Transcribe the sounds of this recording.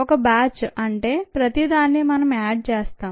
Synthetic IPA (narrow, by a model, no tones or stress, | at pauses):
ɔkɐbaːt͡ʃɐɳʈe̞ːpɾɐt̪id̪aːnːimɐnɐmaːɖ̚t͡ʃeːst̪aːm